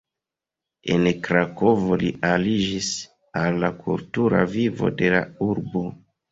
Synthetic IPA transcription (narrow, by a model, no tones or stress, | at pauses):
e̞nkɾako̞voliʔalid͡ʒis | alːakʰṵltuɾa̰vivo̞̰de̞la̰uɾbo